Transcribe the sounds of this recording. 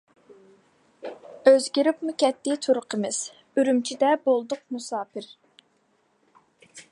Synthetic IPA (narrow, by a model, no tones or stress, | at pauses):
øzɡʲiɾɪpmukʲɛt̪ːɪt̪ʰuɾʊqʰəmɨz̥ | yɾymt͡ʃʰid̪ɛbolˠd̪ʊq̚musɑːpɪɾ